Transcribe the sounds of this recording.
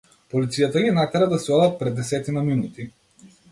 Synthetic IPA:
pɔlit̪sijat̪aɡinak̪aɾad̪asɛɔd̪at̪̚pɾɛd̪ːɛsɛt̪inaminut̪i

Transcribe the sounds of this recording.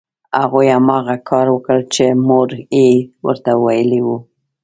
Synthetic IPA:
haɣujamɑɣakʰɑɾwəkəɽt͡ʃemoɾewə̰ɾt̪awajəliwu

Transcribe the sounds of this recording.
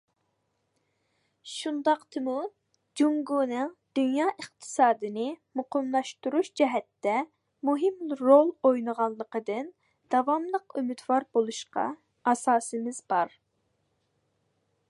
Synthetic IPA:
ʃund̪ɑqt̪ʰɨmu | d͡ʒuŋɡunɨd̪̥ynjɑːʔəχt̪ʰɨ̥sɑːd̪ɨnɨmʊqəmlˠɑʃt̪uɾuʃd͡ʒɛɦɛt̪ːɛ | muɦɪmɾolˠojnəʁɑlˠːəqəd̪ɨn | d̪̥ɑvɑmlˠəqymɪd̪vɑɾbolˠuʃqɑ̰ | ɑsɑːsɨmɪzbɑɾ

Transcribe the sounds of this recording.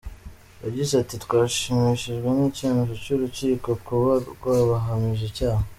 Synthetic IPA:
jaɟizatitkwaːʃimiʃiʒɡwe̞nicinuʒocuɾuciːko̞kuβakwaβaɦamiʒecaːha

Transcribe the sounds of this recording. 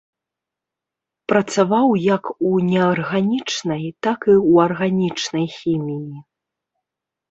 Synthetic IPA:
pɾɐt̪savawjɐkunʲɛarɣanʲit͡ʂnɐjt̪akiwɐrɣanʲit͡ʂnɐjxʲimʲiji

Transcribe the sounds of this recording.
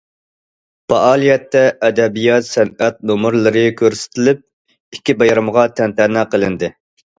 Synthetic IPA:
pɑʔɑːlˠijɛt̪ːɛʔɛd̪ɛbijɑt̪sɛnɛt̪̚nomʊɾlˠɨɾɨkʲʰøɾsɪ̥t̪ʰɪlɪp̚ | ikʲːibɑjɾɨmʁɑt̪ʰɛnt̪ɛnɛqəlˠɨnd̪ɪ

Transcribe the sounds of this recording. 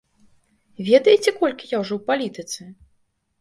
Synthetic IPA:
vʲɛd̪ɐjɛt͡sʲɛkɔlʲkʲijawʐɔwpalʲit̪ɨt̪sɨ

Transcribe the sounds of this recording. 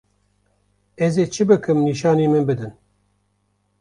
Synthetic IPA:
ɛzeːt͡ʃʰɨbɨkʰɨmniːʃɑːneːmɨnbɨd̪ɨn

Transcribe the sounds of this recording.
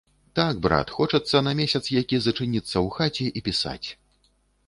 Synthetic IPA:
t̪aɡbɾa̰t̪xɔt͡ʂɐt̪sːɐnɐmʲesʲɐt̪sjakʲizɐt͡ʂɨnʲit̪sːɐwxat͡sʲɛʔipʲisa̰t͡sʲ

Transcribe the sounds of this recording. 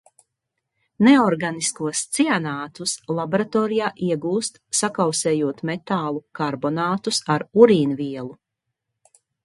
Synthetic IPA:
neɔɾɡaniskuɔst̪sianaːt̪uslˠaboɾat̪ɔːɾijaːʔiɛɡuːst̪sakawsɛːjuɔt̪mɛt̪aːlˠukaɾbɔnaːt̪usaɾuɾiːnviɛlˠu

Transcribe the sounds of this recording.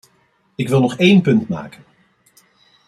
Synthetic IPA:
ɪkʋɪlˠnɔχejnpɵntma̰ːkən

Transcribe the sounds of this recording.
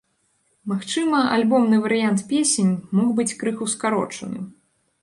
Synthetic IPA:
maxt͡ʂɨmɐa̰lʲbɔmnɨvɐɾɨjant̪pʲesʲenʲmɔxbɨt͡sʲkɾɨxuskaɾɔ̰t͡ʂɐ̰nɨ̰

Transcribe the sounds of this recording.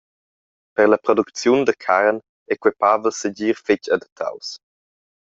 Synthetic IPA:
pəʁləpɾɔdukt͡sjund̪əkʰaɾn | ɛkwɛpavəlsəɟiːɾfɪcadət̪ʰːa̰ws

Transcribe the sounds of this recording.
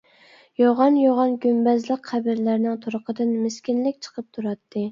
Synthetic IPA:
joʁɑnjoʁɑnɡʲymbæzlˠəqχæbɪɾlæɾnɪŋt̪ʰuɾʊqəd̪ɪnmɪskʲinlɪkʲt͡ʃʰə̥qʰəp̚t̪ʰuɾɑt̪ʰːɨ

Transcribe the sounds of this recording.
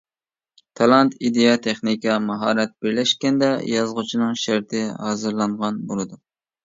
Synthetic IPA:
t̪ʰɑlˠɑnt̪id̪ejɑt̪ʰeχnikɑmɑɦɑːɾɛt̪̚b̥ɪɾlɛʃkʲɛnd̪ɛjɑzʁʊt͡ʃʰinɨŋʃæɾt̪ʰɪhɑːzɨɾlˠɑɴʁɑnbolˠɨd̪u

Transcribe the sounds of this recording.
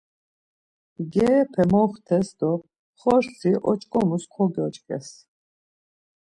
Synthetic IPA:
ɡɛːpʰɛmɔχt̪ʰɛsd̪ɔ | χɔɾt͡sʰiʔɔt͡ʃʼkʼɔmuskʰɔɡɔt͡ʃʼkʼɛ̰s

